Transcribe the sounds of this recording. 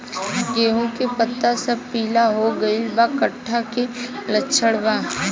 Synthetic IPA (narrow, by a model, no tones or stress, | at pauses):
ɡeːɦõkepət̪ːasɐb̚piːlaɦoɡɐɪlbakəʈʰːakelətːʃʰəɽbaː